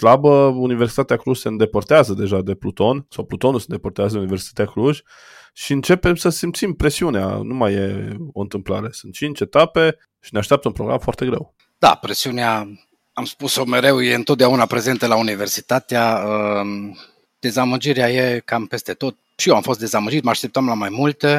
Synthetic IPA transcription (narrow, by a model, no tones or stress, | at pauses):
slabəuniversi̥t̪at̪eakluʒseɨnd̪e̞port̪eazəd̪e̞ʒad̪e̞plut̪o̞nsawplut̪o̞nusend̪eport̪eazəd̪eunive̞rsi̥t̪at̪eakluʒʲ | ʃiɨnt͡ʃe̞pe̞msəsimpt̪simpɾe̞siunea̰numaje̞o̞ɨnt̪ɨmplaɾe̞sunt̪̚t͡ʃint͡ʃe̞t̪ape̞ | ʃineaʃt̪eapt̪əunpɾoɡɾa̰mfoart̪e̞ɡɾe̞̰w | d̪̥a̰pɾesiunea | amspuso̞me̞ɾe̞wjeɨnt̪ot̪d̪aunapɾe̞ze̞nt̪əlaunive̞rsi̥t̪at̪eaə | d̪̥e̞zaməd͡ʒiɾeaje̞kampe̞st̪e̞t̪o̞t̪̚ | ʃijewamfo̞st̪d̪e̞zaməd͡ʒit̪məaʃt̪ep̚t̪amlamajmult̪e